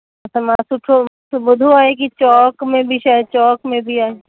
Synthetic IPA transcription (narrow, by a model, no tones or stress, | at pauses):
ɐsɐmasʊʈʰosbʊd̪ʱoaːekit͡ʃɔːkmẽbʱiʃaːet͡ʃɔːkmẽbʱiaːe